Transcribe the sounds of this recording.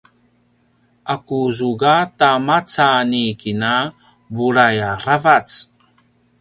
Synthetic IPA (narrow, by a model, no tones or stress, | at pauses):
ʔakuzuɡatamat͡sanikina | buɾajaravat͡s